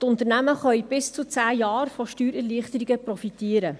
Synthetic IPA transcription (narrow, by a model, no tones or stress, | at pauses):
tʊnt̪əɾnæməχœʏb̥ɪst͡sut͡sæːjɑːɾfɔʃtyːɾɛliəχtəɾiɡəpɾɔfitiːəɾə